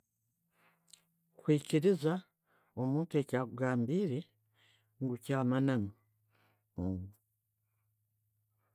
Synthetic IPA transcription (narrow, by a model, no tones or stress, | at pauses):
kwiːciɾiza | omuːntue̞caːkuɡaːmbiɾe | ŋɡucaːmanaŋu